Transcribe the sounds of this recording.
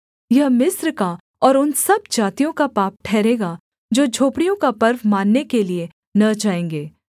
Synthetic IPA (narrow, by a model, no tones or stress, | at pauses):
jɐɦmɪsɾka | ɔːɾʊnsɐb̚d͡ʒaːt̪ijõkapaːp̚ʈʰɛːɾeːɡa | d͡ʒoːd͡ʒʱoːpɽijõkapɐɾʋmaːnːekelie | nɐd͡ʒaːẽːŋɡeː